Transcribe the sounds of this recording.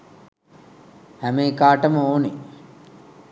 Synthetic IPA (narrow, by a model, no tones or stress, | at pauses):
hæmeːkaːʈəməoːne